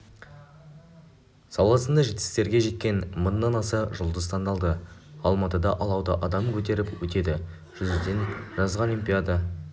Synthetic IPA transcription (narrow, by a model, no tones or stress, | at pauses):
sɑlˠɑsənd̪ɑʒe̞t̪ɪ̥ɪ̥st̪e̞ɾɡʲe̞ʒe̞t̪̚kʲe̞nmənːɑnɑsɑʒʊlˠd̪əzt̪ʰɑnd̪ɑlˠd̪əɑlˠmɑt̪əd̪ɑʔɑlˠɑwd̪ə̰ʔɑd̪ɑmkʲʰɵt̪e̞ɾɪpwɵt̪e̞d̪ɪ | ʒ̥ʏzɪd̪enʒɑzʁəolimʲpʲijad̪ɑ